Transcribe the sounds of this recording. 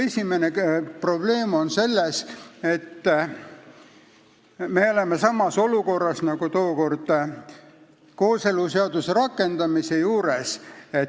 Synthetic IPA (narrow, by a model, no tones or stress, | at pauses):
esʲimenepro̞ble̞ːmo̞nse̞lːese̞t̪ː | me̞o̞lemesɑmːɑso̞luko̞rːɑsnɑɡ̥ut̪oːko̞rd̪̥ | ko̞ːse̞luseɑd̪̥useɾɑkːˑe̞nd̪̥ɑmise̞juːɾese